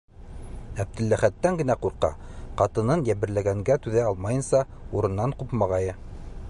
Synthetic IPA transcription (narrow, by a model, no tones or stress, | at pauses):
æb̚d̪ɘ̆lːæχæt̪ːæŋɡɘ̆næquɾqɑ̰qɑt̪ɤ̆nɤnjæβɘ̆ɾlæɡæŋɡæt̪ʉðæɑlˠmɑjɤ̆nsɑ | uɾɤ̆nːɑɴqupmɑʁɑjɤ